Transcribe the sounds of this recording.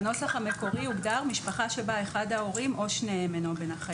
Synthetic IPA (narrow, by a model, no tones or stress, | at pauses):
no̞saχame̞ko̞ʁiuɡdaʁmiʃpaχaʃebae̞χadhao̞ʁimʔo̞ʃneemenobenaχa